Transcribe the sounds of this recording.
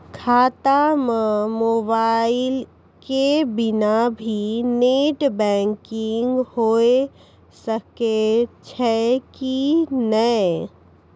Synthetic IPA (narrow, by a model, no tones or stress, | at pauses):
kʰaːt̪amẽmoːbaːɪl | kebɪnabʱineːʈbɛ̃ːŋkɪŋɡhoe | səket͡ʃʰɛkinə